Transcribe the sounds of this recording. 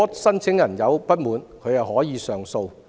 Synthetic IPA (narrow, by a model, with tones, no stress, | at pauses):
t̚sɐ˥nt͡sʰɪ˨˥ŋjɐ˨˩njɐ˨˧wpɐ˥t̚muː˨˧nkʰɵ˨˧jɐ˨whɔː˨˥jiː˨˧sœː˨˩ŋso˧w